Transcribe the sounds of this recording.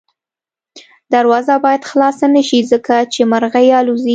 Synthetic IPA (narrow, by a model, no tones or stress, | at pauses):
d̪aɾwɑzabɑjad̪xlɑsanəʃizəkat͡ʃemaɾɣajɑluzi